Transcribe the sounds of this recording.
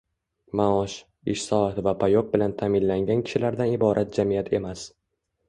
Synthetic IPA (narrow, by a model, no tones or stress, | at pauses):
maɒʃ | ɪʃsɒat̪vapʰajoq̚bɪlant̪ʰamɪnlaŋɡʲankʲʰɪ̥ʃɪlaɾd̪anɪbɒɾʔat̪̚d͡ʒamijat̪ʰe̞mas